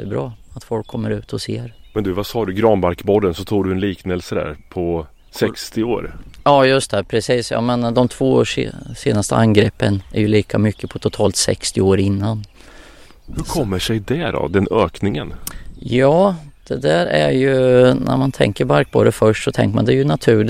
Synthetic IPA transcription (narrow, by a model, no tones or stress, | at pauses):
ɛbɾɑːat̪fɔlkʰːɔmːəɾʉ̟ːt̪ʰɔseːɾmɛnd̪ɵvasɑːɖɵɡɾɑːnbaɾkbɔd̪ənsɔt̪ʰuːɖɵɛnliːknɛlsəd̪æ̰ːɾpʰɔ | sɛkst̪ɪoːɾjɑːjɵst̪ʰɛpʰɾɛsiːsjɑ̰ːmɛnd̪ɔmt̪ʰv̥oːʂseːnast̪əʔaŋɡɾɛpːənæɾjɵliːkʰamʏkʰːəpʰɔt̪ʰʊt̪ʰɑːlt̪sɛ̰kst̪ɪoːɾɪnːan | hɵɾkʰɔmːəʂɛjd̪ɛɾɔ̰d̪ɛnøːknɪŋənjɑːd̪̥ɛd̪æɾæɾjɵnæ̰ɾmant̪ʰɛ̰ŋkəɾbaɾk̚bo̰ːɾəfœʂʈsɔt̪ʰɛ̰ŋkəma̰nd̪ɛjɵnat̪ʰʉ̟ː